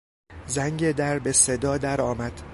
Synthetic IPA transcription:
zæŋɟed̪æɾbese̞d̪ɒːd̪æɾɒːmæd̪̥

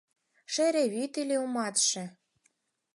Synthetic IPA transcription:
ʃeɾeβit̪ilʲeumɑt̪ʃĕ

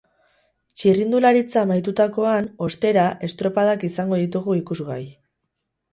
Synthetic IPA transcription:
t͡ʃirind̪ulaɾit͡saːmajt̪ut̪ako̞ano̞st̪e̞ɾaʔe̞st̪ɾo̞pað̞akisaŋɡo̞ðit̪̬uɣuikuzɣaj

